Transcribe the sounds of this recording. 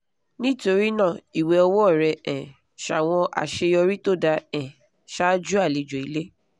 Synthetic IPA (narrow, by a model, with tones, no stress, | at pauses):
nĩ˦to˧ɾi˦nãː˦˨i˨we˧˦ɔ˧wɔ˦˨ɾɛ˧ɛ̃˨ | ʃa˨w̃ɔ̃˧ʔa̰˨ʃe˧jɔ˧ɾi˦to˦da˧ɛ̃˨ | ʃa˦d͡ʒu˦a˦˨li˨d͡ʒo˨i˨˦le˦